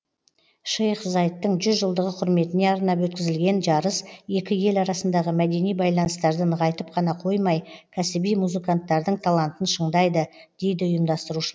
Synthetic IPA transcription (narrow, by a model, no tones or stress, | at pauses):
ʃejχzɑjt̪ːəɴʒʏzʒəlˠd̪əʁəqʰʊɾme̞t̪ɪne̞ɑɾnɑpwɵt̪̚kʲɪzɪlɡʲe̞nʒɑɾəsje̞kʲɪje̞lɑɾɑsənd̪ɑʁəmæd̪e̞nijbɑjlˠɑnəst̪ɑɾd̪əɴʁʰɑjt̪əp̚qʰɑnɑqʰo̞jmɑjkʲʰæsɪbijmuzɨkant̪ːɑɾd̪əɴt̪ʰalˠant̪ənʃəɴd̪ɑjd̪əd̪̥e̞jd̪ɪʊjəmd̪ɑst̪əɾuʃəɾ